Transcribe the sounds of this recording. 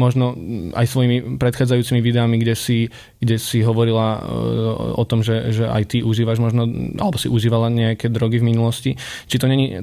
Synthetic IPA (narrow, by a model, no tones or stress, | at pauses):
mɔʒnɔa̰jsʋɔjimipɾɛt̪xaːd͡zajuːt͡simiʋid̪ɛamiɡɟɛsi | ɡ̥ɟɛsiɦɔʋɔɾila | ɔt̪ɔmʒɛʒɛʔa̰jt̪iʔuʒiːʋaʒmɔʒnɔʔa̰lɛbɔsiʔuʒiːʋalaɲɛakɛːd̪ɾɔɡivminulɔsci | t͡ʃit̪ɔɲɛɲi